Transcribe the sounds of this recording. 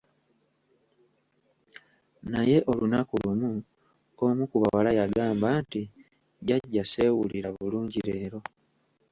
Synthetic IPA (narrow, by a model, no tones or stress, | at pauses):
naje̞ʔo̞lunakulumu | omukuβawalajaɡaːmbanti | ɟaɟːase̞ːwuliɾaβuluːɲɟiɾeːɾo̞